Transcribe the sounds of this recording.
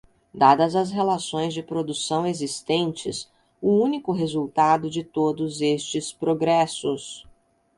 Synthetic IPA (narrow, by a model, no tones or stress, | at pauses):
d̪ad̪ɐzɐs̬ɦelasõj̃zd͡ʒɪpɾod̪usɐ̃w̃ezist̪ẽnt͡ʃɪ̰s | ʊũnikʊɦezuwt̪ad̪ʊd͡ʒɪt̪od̪ʊzest͡ʃɪspɾoɡɾɛsʊs